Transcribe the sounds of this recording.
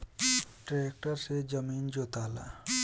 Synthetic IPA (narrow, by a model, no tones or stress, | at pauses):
ʈɾaek̚ʈəɾsed͡ʒəmind͡ʒot̪ala̰